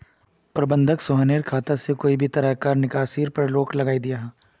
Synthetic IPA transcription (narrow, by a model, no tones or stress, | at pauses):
pɾɐbə̃nd̪ʱəksoːɦəneːɾkʰaːt̪asekoːibʱit̪ɐɾakaːɾnɪkaːsiːɾpɐɾloːkʰlɐɡaːid̪ijaɦɛː